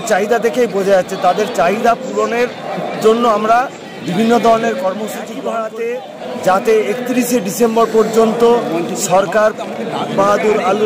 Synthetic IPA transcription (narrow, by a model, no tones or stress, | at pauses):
t͡ɕaɦid̪ad̪ekʰejbod͡ʑʱaaːɕʰet̪ad̪eɾt͡ɕaɦid̪apuloneɾd͡ʑonːoamɾa | bibʱinːod̪ʱɔɾoneɾkɔɾmoʃut͡ɕikbʱaɽat̪e | d͡ʑat̪eekt̪iɾiʃeɖisemboɾpɔɾd͡ʑont̪oʃɔɾkaɾmaɦad̪uɾalu